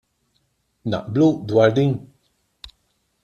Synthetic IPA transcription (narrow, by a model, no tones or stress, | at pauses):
na̰ʔblud̪waɾd̪iŋ